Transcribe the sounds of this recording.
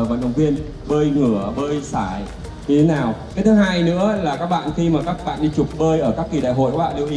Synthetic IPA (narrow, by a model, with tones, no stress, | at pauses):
və̰˧˨nɗə̰˧˩wŋ͡mvi˧ən | ɓəː˧jŋɨ˧˩əɓəː˧jsaː˧˩j | ɲɨ˧e˦naː˨˩wka˨˦t̪ʰɨ˨˦haː˧jnɨ̰˧˥əlaː˨˩kaː˦˥k̚ɓa̰ː˧˨nxi˧maː˨˩kaː˦˥k̚ɓa̰ː˧˨nɗi˧t͡ɕʊ˨˩k͡p̚ɓəː˧jʔəː˧˩kaː˦˥kːi˨˩ɗa̰ː˧˨jɦo̰˧˨jkwːa̰ː˧˨li˧wʔi˨˦